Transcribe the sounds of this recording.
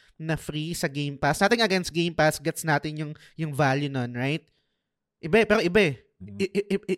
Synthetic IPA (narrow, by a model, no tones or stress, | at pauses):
nɐfɾisɐɡejmpasaːt̪ɪŋɐɡɛnst̪̚ɡejmpasɡɛt̪snaːt̪ɪnjʊŋ | jʊŋvaːljʊnonɹajt̪̚ | ʔɪbaɛpɛːɾoʔɪbaɛ